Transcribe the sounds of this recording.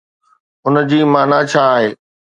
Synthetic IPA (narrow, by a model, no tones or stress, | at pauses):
ʊnd͡ʑiːmaːnat͡ɕʰaːɦeː